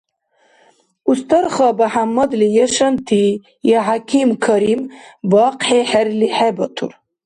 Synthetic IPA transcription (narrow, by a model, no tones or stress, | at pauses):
ust̪ɐɾχɑbɐħamːɐd̪lijəʃɐnt̪ʰi | jaɦakʰimkʰɐɾimbɑːqħeħɛɾliħɛbɐt̪ʰṵɾ